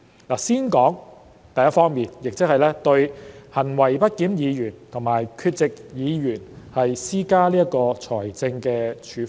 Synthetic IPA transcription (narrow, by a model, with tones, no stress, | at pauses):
laː˨˩siː˥nkɔː˨˥ŋ | t̪ɐ˨jɐ˥tfɔː˥ŋmiː˨˩njɪ˨k̚t͡sɪ˥k̚hɐ˨jlɛː˥t̪ɵ˧ɥhɐ˨˩nwɐ˨˩jpɐ˥t̚kiː˨˥mjiː˨˧jyː˨˩nt̪ʰo˨˩ŋmaː˨˩jkʰyː˧t̚t͡sɪ˨k̚jiː˨˧jyː˨˩nhɐ˨jsiː˥kaː˥liː˥jɐ˥kɔː˧t͡ʃʰɔː˨˩jt͡sɪ˧ŋkɛː˧t͡ʃʰyː˨˥f